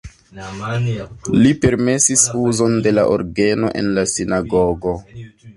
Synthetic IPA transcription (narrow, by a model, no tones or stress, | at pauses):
lipe̞ɾme̞sisuzo̞nde̞la̰ʔo̰ɾɡe̞no̞̰ʔe̞̰nlasinaɡoɡo̞